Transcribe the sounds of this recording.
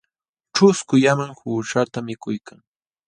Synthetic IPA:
ʈ͡ʂʊskʊjamaŋhuːʃat̪amɪkʊjkaŋ

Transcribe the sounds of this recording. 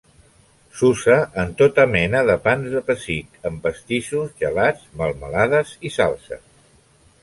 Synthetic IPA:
susəʔːnt̪ot̪əmɛnəðəpanzðəpəsit̪əmpəst̪iʃuzʒəlad͡zməlˠməlaðəzisa̰lˠsə̰s

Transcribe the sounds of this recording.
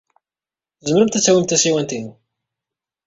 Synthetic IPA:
θzəməɾəmt̪æt͡sːæwimt̪æsiwænt̪in

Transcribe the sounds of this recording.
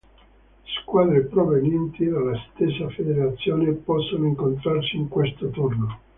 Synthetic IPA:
skwaːd̪ɾepɾovenjɛnt̪id̪alːast̪esːafed̪eɾat̪sːjoːnepɔsːonoiŋkont̪ɾarsiiŋkwest̪ot̪urno

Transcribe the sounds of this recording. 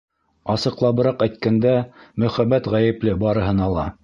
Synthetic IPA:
ɑsɤ̆qlˠɑβɤ̆ɾɑqæjt̪̚kænd̪æmɵ̆χæbæt̪ʁæjɘ̆plɘbɑɾɤ̆ɦɤ̆nɑlˠɑ

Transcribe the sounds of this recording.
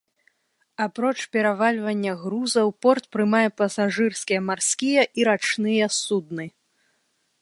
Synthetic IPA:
apɾɔt͡ʂpʲɛɾavalʲvɐnʲːɐɣɾuzɐwpɔrt̪pɾɨmajɛpɐsaʐɨrskʲijɐmarskʲijɐʔiɾat͡ʂnɨjɐsud̪̚nɨ

